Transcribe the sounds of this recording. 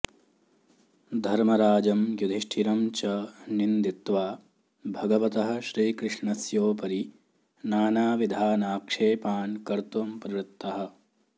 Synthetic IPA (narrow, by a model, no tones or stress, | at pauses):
d̪ʱɐɾmɐɾaːd͡ʒɐmjud̪ʱiʂʈʰiɾɐmt͡ʃɐnind̪it̪ʋaː | bʱɐɡɐʋɐt̪ɐɦɐ̆ʃɾiːkɾɨʂɳɐsjoːpɐɾi | naːnaːʋid̪ʱaːnaːkʂeːpaːnkɐɾt̪ɐmpɐɾiɾɪt̪ːɐɦɐ̆